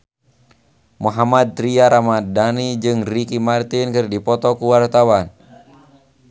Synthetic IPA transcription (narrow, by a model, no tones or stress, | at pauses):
muɦamad̪̚t̪ɾiaɾamadanid͡ʒɨŋrikimart̪inkɨrdipɔt̪ɔkuwart̪awan